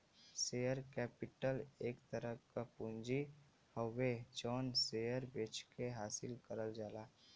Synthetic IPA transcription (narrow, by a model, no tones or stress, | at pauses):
sejəɾkɛːpɪʈəleːkt̪əɾəkapũnd͡ʒi | həwed͡ʒɔːnsejəɾbet͡ʃkeɦaːsɪlkəɾəld͡ʒaːlaː